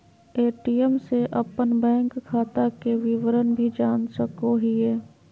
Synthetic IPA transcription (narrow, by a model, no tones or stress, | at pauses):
eːʈiɛmseʔɐpənbɛ̃ːŋkʰːaːt̪akeʋɪʋəɾənbʱid͡ʒaːnsəkoɦieː